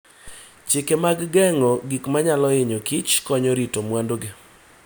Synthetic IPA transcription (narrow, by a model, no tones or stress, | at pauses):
t͡ʃɪkemaɡɡɛŋɔɡikmaɲalɔɪɲokit͡ʃkɔɲɔɾitomwandoɡe